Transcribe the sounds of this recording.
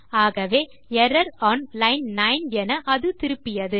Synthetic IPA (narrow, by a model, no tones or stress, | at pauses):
aːɣɐʋeː | ɛɾɐɾaːnlɐɪnnɐɪnɛnɐʔɐðɯt̪ɪɾɯpːɪjɐðɯ